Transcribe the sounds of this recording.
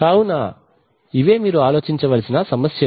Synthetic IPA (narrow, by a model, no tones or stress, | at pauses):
kaːwunaː | iʋe̞ːmiːɾuaːloːt͡ʃiɲt͡ʃɐʋɐlɐsinɐsɐmɐsjɐ